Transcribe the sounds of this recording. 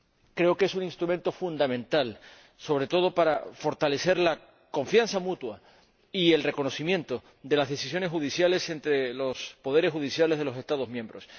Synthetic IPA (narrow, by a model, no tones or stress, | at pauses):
kɾe̞oke̞suninst̪ɾument̪o̞fund̪amẽ̞nt̪al | so̞β̞ɾe̞t̪o̞ðo̞paɾafo̞ɾt̪ale̞se̞ɾla | ko̞ɱfjansamut̪wa | ie̞lre̞ko̞no̞simjent̪o | d̪e̞lazðe̞sis̬jo̞ne̞sxuð̞isjale̞se̞nt̪ɾe̞lo̞spo̞ðe̞ɾexuðisjalezð̞e̞lo̞se̞st̪aðo̞zmjẽ̞mbɾo̞s